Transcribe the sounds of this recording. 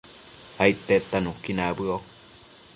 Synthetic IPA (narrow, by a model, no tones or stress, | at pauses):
ait̪et̪anukinabɨo